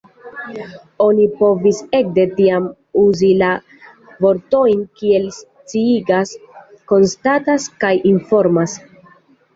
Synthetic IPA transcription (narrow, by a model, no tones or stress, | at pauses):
o̞nipo̞vise̞k̚de̞tiam | uzila | vo̞ɾto̞jnkie̞ls | t͡siiɡasko̞nstataskajinfo̞ɾmas